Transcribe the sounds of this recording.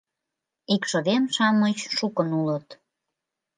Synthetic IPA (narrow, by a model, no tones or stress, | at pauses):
ikʃoðemʃɑmət͡ɕʃukənulət̪